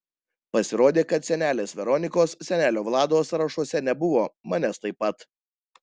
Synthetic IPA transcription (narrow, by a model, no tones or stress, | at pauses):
pɐsʲɪɾoːd̪ʲeːkɐt̪sʲɛnʲæːlʲeːsʋʲɛɾɔnʲɪkoːssʲɛnʲæːlʲoːʋlˠɑːd̪oːsɾɐʃuɔsʲɛnʲɛbʊʋoːmɑnʲɛst̪ɐɪpːɐt̪